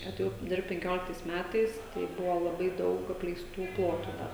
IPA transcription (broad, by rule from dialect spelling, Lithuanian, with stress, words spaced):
ɐtʲeːˈjɛʊ ˈdʲɪrpt pʲɛŋʲˈkʲoːlʲɪktɐɪs ˈmʲætɐɪs tɐɪ ˈbʊʋoː lˠɐˈbɐɪ ˈdɐʊk ɐpʲlʲɛɪsˈtuː ˈplˠoːtʊ dɐ